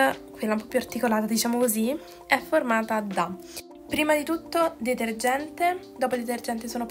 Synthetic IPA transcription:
kwelːaumpɔpːjuart̪ikolaːt̪ad̪it͡ʃaːmokozi | ɛformaːt̪aːd̪a | pːɾiːmad̪it̪ut̪ːod̪et̪erd͡ʒɛnt̪ed̪ɔːpod̪et̪erd͡ʒɛnt̪esoːnop

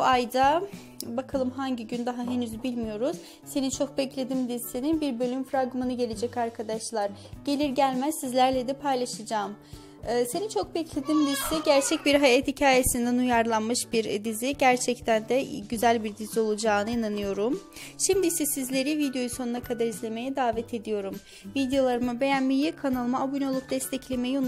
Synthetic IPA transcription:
buajd̪a | bakʰalˠɯmɦaɲɟiɟynd̪aɦaɦenyzbilʲmijo̞ɾuz̥ | se̞nint͡ʃʰo̞k̚bɛclʲe̞d̪imd̪isininbiɾbø̞lʲymfɾaɡmɯnɯɟe̞lʲe̞d͡ʒɛcaɾkʰad̪aʃlˠaɾɟ̥e̞lʲiɾɟælʲmæzsizlʲæɾlʲɛd̪ɛpʰajlˠaʃɯd͡ʒaːm | ɯːsenint͡ʃʰo̞k̚bɛclʲe̞d̪iːmd̪isiɟæɾt͡ʃʰɛc̚biɾɦajat̪hicʰaːje̞sind̪ɛnujaɾlˠanmɯʃbiɾd̪iziɟæɾt͡ʃʰɛct̪ʰænd̪ɛɟyzælʲbiɾd̪izio̞lˠud͡ʒaːnɯinanɯjo̞ɾumʃimd̪isisizlʲe̞ɾivid̪jo̞juso̞nunakʰad̪aɾizlʲe̞me̞jɛd̪aːvɛt̪ʰe̞d̪ijo̞ɾum | vid̪ejo̞lˠaɾɯmɯbe̞jænmijikʰanalˠɯmaabuno̞lˠup̚d̪ɛst̪ʰɛclʲe̞me̞jio

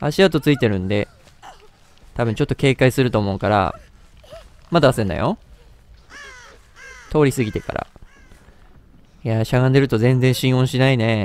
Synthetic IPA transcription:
a̰ɕiat̪o̞t͡sɨit̪e̞ɾɯ̟̃nd̪e̞ | t̪abɯ̟̃ɲ̟t͡ɕo̞t̪ːo̞ke̞ːkaisɨɾɯ̟t̪o̞ːmo̞ɯ̟kaɾa̰ | mad̪aasẽnd̪a̰jo̞̰ | t̪ʰo̞ːɾʲisɨɡʲit̪e̞ka̰ɾa̰ | jaɕaɡãnd̪e̞ɾɯ̟t̪o̞zẽ̞nd͡zẽ̞ɰ̃ɕĩɰ̃õ̞ɰ̃ɕinaine̞

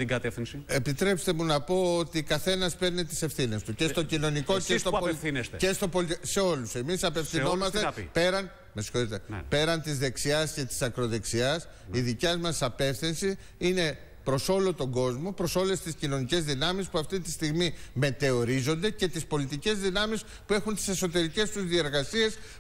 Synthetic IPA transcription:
t̪iɡɐt̪efθinsie̞pit̪ɾe̞pst̪e̞munɐpo̞ot̪ikɐθe̞nɐspe̞ɾnit̪i̥se̞fθine̞st̪ucest̪o̞cino̞nikoest̪opolθinesecest̪opolse̞o̞luse̞misɐpefθinomɐstt̪epe̞ɾɐn | mesi̥xo̞ɾit̪e̞̰pe̞ɾɐnt̪izðe̞ksiɐsce̞t̪i̥sɐkɾo̞ðe̞ksiɐs | iðicɐzmɐsɐpe̞fθinsi | ine̞ | pɾo̞so̞lo̞t̪o̞ɡo̞zmo̞pɾo̞so̞le̞st̪iscino̞nice̞zðinɐmispuɐft̪it̪ist̪iɣmime̞t̪e̞o̞ɾizo̞nd̪e̞ce̞t̪ispo̞lit̪ice̞zðinɐmis | pue̞xunt̪i̥se̞so̞t̪e̞ɾice̞st̪uzðie̞ɾɣɐsie̞s

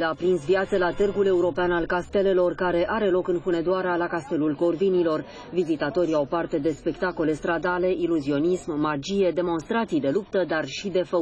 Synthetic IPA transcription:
lapɾinsviat̪səlat̪ɨrɡule̞uɾo̞peanalkast̪e̞le̞lo̞rkaɾe̞ʔaɾe̞lo̞kɨnxuned̪oaɾealakast̪e̞lulko̞rvinilo̞r | vizit̪at̪o̞ɾiawpart̪e̞d̪e̞spe̞kt̪ako̞le̞st̪ɾad̪ale̞ʔiluzio̞nismːad͡ʒije̞d̪e̞mo̞nst̪ɾat̪sijd̪e̞lupt̪əd̪arʃid̪e̞fə

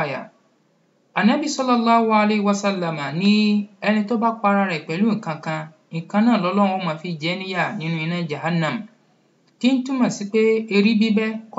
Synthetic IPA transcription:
ja̰ | anabisɔlːɔlːaːhualehiwasalːamanĩɛnĩtobak͡paɾaɾɛik͡pɛlũŋ̩kãkã | ŋ̩kãnãːlɔlɔɾ̃ũomãːfid͡ʒɛnĩjanĩnũinãd͡ʒahanãm | kin̩tũmãsik͡peeɾibibɛk

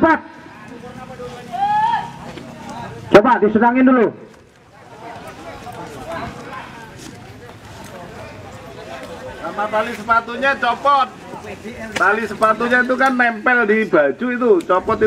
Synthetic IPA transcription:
pat̪̚ | t͡ʃobad̪isənaŋɪnd̪ulu | samapalisəpat̪uɲat͡ʃɔpɔt̪̚ | kalisəpat̪uɲait̪̬ukanːɛmpɛldib̥a̤̥d͡ʒ̥uit̪̬ut͡ʃɔpɔt̪i

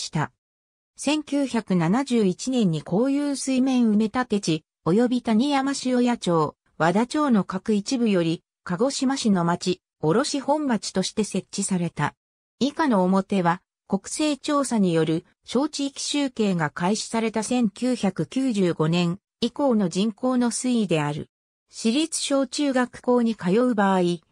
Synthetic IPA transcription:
ɕi̥t̪a | sẽ̞ŋkʲɨːçakɯ̟nanaʑɨːit͡ɕinẽ̞ɲ̟ːikʰo̞ːjɯːsɨimẽ̞ɰ̃ɯ̟me̞t̪at̪e̞t͡ɕi | o̞jo̞bʲit̪aɲ̟ijamaɕio̞jat͡ɕo̞ː | βad̪at͡ɕo̞ːno̞kakɯ̟it͡ɕibɯ̟jo̞ɾʲi | kaɡo̞ɕimaɕino̞mat͡ɕi | o̞ɾo̞ɕihõ̞mbat͡ɕi̥t̪o̞ɕi̥t̪e̞se̞t͡ɕt͡ɕːisaɾe̞t̪a | ikano̞ːmo̞t̪e̞β̞a | ko̞kɯ̟̥se̞ːt͡ɕo̞ːsaɲ̟ijo̞ɾɯ̟ | ɕo̞ːt͡ɕiikʲi̥ɕɨːke̞ːɡakaiɕi̥saɾe̞t̪asẽ̞ŋkʲɨːçakɯ̟kʲɨːʑɨːɡo̞nẽ̞ɰ̃ | iko̞ːno̞d͡ʑĩŋko̞ːno̞sɨid̪e̞aɾɯ̟̰ | ɕiɾʲit͡sɨ̥ɕo̞ːt͡ɕɨːɡakɯ̟̥ko̞ːɲ̟ikajo̞ɯ̟baːi

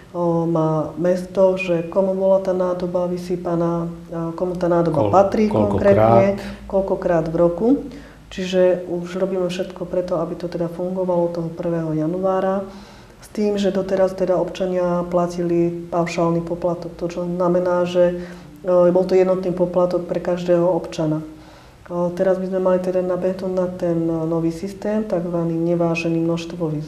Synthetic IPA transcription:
maːmɛst̪ɔʒɛkɔmubɔlat̪aːnaːd̪ɔbaʋisiːpanaːkɔmut̪aːnaːd̪ɔba̰pat̪ɾiːkɔŋkɾɛːt̪ːɲɛkɔlkɔkɾaːd̪vɾɔku | t͡ʃiʒɛuʒɾɔbiːmɛfʃɛt̪kɔpɾɛt̪ɔabit̪ɔt̪ɛd̪afuŋɡɔʋalɔt̪ɔɦɔpr̩ʋɛːɦɔjanuaːɾa | st̪iːmʒɛd̪ɔt̪ɛɾast̪ɛd̪aɔpt͡ʃaɲɪaplacilipaʊʃaːlnipɔplat̪ɔk̚t̪ɔt͡ʃɔznamɛnaːʒɛ | bɔlt̪ɔjɛd̪nɔt̪niːpɔplat̪ɔk̚pɾɛkaʒd̪ɛːɦɔɔpt͡ʃana | t̪ɛɾazbizmɛmalit̪ɛd̪anabɛt̪ud̪nat̪ɛnːɔʋiːsist̪ɛːmt̪aɡzʋaniːɲɛʋaːʒɛniːmnɔʃst̪ʋɔʋiːz

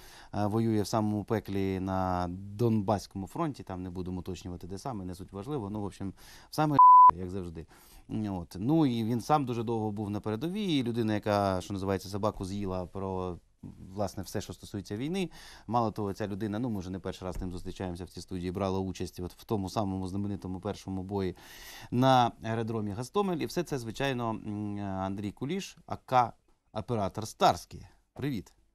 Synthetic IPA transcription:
ʋɔjujɛwsɑmɔmʊpɛklʲinɐd̪ɔnbɑsʲkɔmʊfɾɔnʲtʲit̪ɑmnɛbud̪emɔʊt̪ɔt͡ʃnʲʊʋɐt̪ɪd̪ɛsɑmɪnɛsutʲʋɐʒlˠɪʋɔnuʋɔpʃʲim | wsɑmɛjɐɡzɐwʐd̪ɪ | ot̪nuiʋʲinsɑmd̪uʐɛd̪ɔwɦɔbuwnɐpeɾed̪ɔʋʲilʲʊd̪ɪnɐjɐkɑʃt͡ʃɔnɐzɨɪʋɑjet͡sʲːɐs̬ɐbɑkʊzjilˠɐpɾɔ | ʋlˠɑsnɛwsɛʃt͡ʃɔst̪ɔ̥sujet͡sʲːɐʋʲijnɪmɑlˠɔt̪ɔɦɔt͡sʲalʲʊd̪ɪnɐnumɪʊʒɛnɛpɛrʃɪɾɑzt̪ɪmzʊst̪ɾʲɪt͡ʃajemsʲɐwt͡sʲist̪udʲijibɾɑlˠɐut͡ʃɐsʲtʲɔt̪w̥t̪ɔmʊsɑmɔmʊznɐmɪnɪt̪ɔmʊpɛrʃɔmʊbɔjinɐeɾɐd̪ɾɔmʲiɦɐst̪ɔmelʲiwsɛt̪sɛzʋɪt͡ʃɑjnɔ | ɐnd̪ɾʲijkʊlʲiʃɐ̰kɑ | ɐpeɾɑt̪ɔrst̪ɑrsʲkɪj | pɾɪʋʲit̪

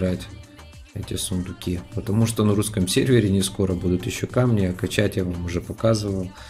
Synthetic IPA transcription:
ɾatʲ | ɛtʲɪsʊnd̪ʊkʲipət̪ɐmuʂt̪o̞nɐɾuskəmsʲervʲɪɾʲɪnʲɪsko̞ɾəbud̪ʊt̪jɪɕːo̞kamnʲɪɐkɐt͡ɕætʲjavamʊʐɛpɐkazɨvəlˠ

